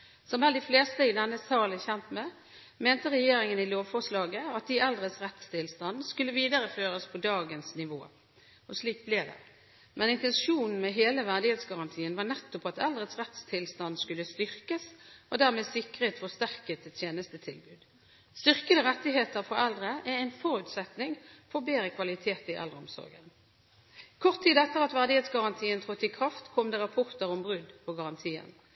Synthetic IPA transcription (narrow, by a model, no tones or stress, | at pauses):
sɔmæld̪ɪfleːst̪əɪd̪ɛnːəst̪ɑːləçɛnt̪mɛ | meːnt̪əʁɛjeːɾɪŋənɪloːʋfɔʁʂlɑːɡəɑt̪̚d̪ɪʔɛld̪ʁət̪sʁɛt̪st̪ʰɪlst̪ɑnd̪skʉlːəʋiːd̪əɾəføːʁəspʰɔd̪ɑːɡənsnɪʋoː | ɔsliːk̚blɛd̪ɛ̰ | mɛnɪnt̪ɛnʂuːnn̩mɛɦeːləʋæʁd̪ɪheːt̪sɡɑʁɑnt̪ʰiːənʋɑːnɛt̪ːɔpɑt̪ɛld̪ʁət̪sʁɛt̪st̪ʰɪlst̪ɑnd̪skʉlːəst̪ʏʁkəsɔd̪æʁmeːsɪkʁet̪fɔst̪æʁkət̪ɛt̪ʰjeːnəst̪ət̪ʰɪlbʉːd̪ | st̪ʏʁkəd̪əʁɛt̪ːɪɦeːt̪əʁfɔʁɛld̪ʁəʔæʁæɪnfɔɾʉt̪sɛt̪nɪŋfɔbeːɾəkʰʋɑlɪt̪ʰeːt̪ɪʔɛ̰lɾəɔmsɔ̰ʁɡə̰n | kʰɔʁt̪ʰːiːd̪ɛt̪ːəʁɑt̪ʋæʁd̪ɪheːt̪sɡɑʁɑnt̪ʰiːənt̪ʰʁɔt̪ːɪkʰʁɑft̪kʰɔmd̪ɛʁɑpʰɔʁt̪əʁɔmbʁʉd̪pʰɔɡɑʁɑnt̪ʰiːə̰n